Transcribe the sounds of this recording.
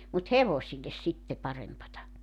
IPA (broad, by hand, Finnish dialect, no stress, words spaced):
mut heʋosilːes sitːe pɑrempɑtɑ